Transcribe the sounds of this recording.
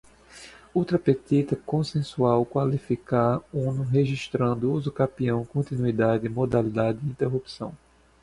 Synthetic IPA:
ut̪ɾɐpet̪it̪ɐkõsẽsuawkwalifikaũnʊɦeʒiʃt̪ɾɐ̃nd̪ʊuzʊkapiɐ̃w̃kõnt̪inuid̪adɪɪmod̪alid̪ad̪ɪĩnt̪eɦupsɐ̰̃w̃

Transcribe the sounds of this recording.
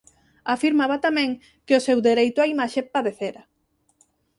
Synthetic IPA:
afiɾmaβat̪amɛ̃ŋ | kɪʊsewd̪eɾejt̪ʊaimaʃepaðeθeɾɐ

